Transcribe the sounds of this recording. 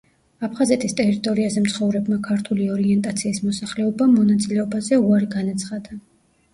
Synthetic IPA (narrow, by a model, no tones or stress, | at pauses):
apʰχazɛt̪ʰist̪ʼɛɾit̪ʼɔɾiazɛmt̪sʰχɔvɾɛbmakʰaɾt̪ʰuliɔɾiɛnt̪ʼat̪sʰiːsmɔsaχlɛɔbamɔnat̪sʼilɛɔbazɛuaɾiɡanat̪sʰχad̪a